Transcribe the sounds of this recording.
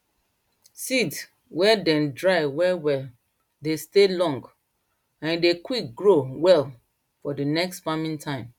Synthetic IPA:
sids | wɛdɛ̃ndɹaɪwɛwɛl | destelɔ̃ŋɡ | ãndekwik̚ɡɹowɛl | fɔdənɛkstpamĩntʰãɪ̃m

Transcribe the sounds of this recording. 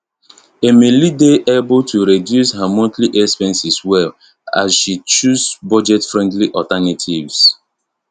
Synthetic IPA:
emelideʔebʊtʰuɾedjusɦamotliʔespɛ̃nsiswɛl | a̰sʃit͡ʃusbɔd͡ʒɛtfɾɛ̃ndliʔɔtanatʰivs

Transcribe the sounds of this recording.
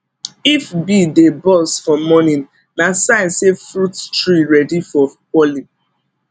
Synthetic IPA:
ifbidebɔsfɔmɔnĩn | nasãɪ̃nsefɾuttɹiɹɛdifɔpɔli

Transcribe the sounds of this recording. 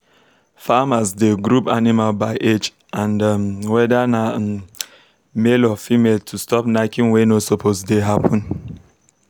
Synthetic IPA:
famasdeɡɹupanimalbaɪʔed͡ʒ | ãndwɛdana | melɔfimeltʰustɔp̚nakĩnwenosopʰozdeɦapʰɔ̃n

